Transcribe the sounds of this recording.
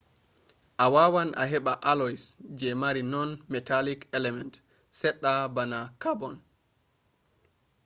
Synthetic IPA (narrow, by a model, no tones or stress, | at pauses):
ʔawawanʔa̰ɦɛɓaʔalɔisd͡ʒɛmaɾinɔnmɛtalikɛlɛmɛnt | sɛɗːabanakabɔn